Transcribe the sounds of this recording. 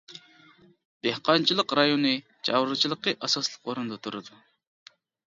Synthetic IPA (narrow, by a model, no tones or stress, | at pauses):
d̪̥ehqɑnt͡ʃʰilˠəqɾɑjonɨ | t͡ʃʰɑ̰wɾɨt͡ʃʰilˠəqːəʔɑsɑslˠə̥qwoɾund̪ɑt̪ʰuɾɨd̪u